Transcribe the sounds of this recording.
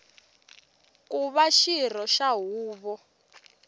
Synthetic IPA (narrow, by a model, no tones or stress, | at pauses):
kuβaʃir̤ɔʃaɦuːβɔ